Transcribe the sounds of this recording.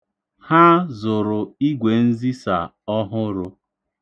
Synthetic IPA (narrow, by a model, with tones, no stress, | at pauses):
ha˦zʊ˨ɾʊ˨i˦ɡʷe˨n̩˦zi˦sa̰˨ | ɔ˦ɦʊ˦ɾʊ˦